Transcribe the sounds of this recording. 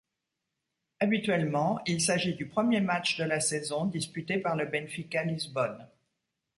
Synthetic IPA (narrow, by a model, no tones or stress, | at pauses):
abit̪ɥɛlmɑ̃ilsaʒid̪ypχəmjemat͡ʃd̪əlasɛzɔ̃d̪ispyt̪epaʁləbɛnfikalizbɔn